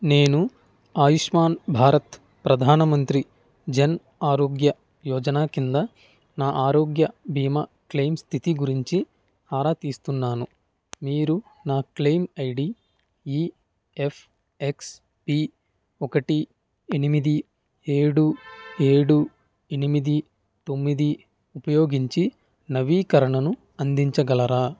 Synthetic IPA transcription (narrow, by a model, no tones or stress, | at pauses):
neːnu | aːjuʂmaːnbʱaːɾɐt̪ | pɾɐd̪ʱaːnɐmɐnt̪ɾi | d͡ʒɐn | aːɾoːɡjɐ | jɔːd͡ʒɐnaːkind̪ɐ | naːʔaːɾoːɡjɐbʱiːmɐ | klejmst̪ʰit̪iɡuɾiɲt͡ʃi | aːɾaːt̪iːst̪unːaːnu | miːɾu | naːklejmɐjɽi | iː | epʰ | eks | pi | ɔkɐʈi | enimid̪i | e̞ːɽue̞ːɽu | enimid̪i | t̪o̞mːid̪i | upɐjo̞ːɡiɲt͡ʃi | nɐʋiːkɐɾɐɳɐnu | ɐnd̪iɲt͡ʃɐɡɐlɐɾaː